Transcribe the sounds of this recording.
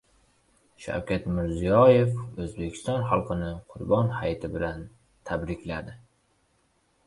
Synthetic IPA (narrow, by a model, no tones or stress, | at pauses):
ʃa̰wkʲat̪mɪɾzijɒje̞fɵzbe̞kʲʰɪ̥st̪ɒnχɑlˠqɨnɪqʰʊɾbɒnhajt̪ʰɪbɪlan | t̪ʰabɾɪkʲlad̪ɪ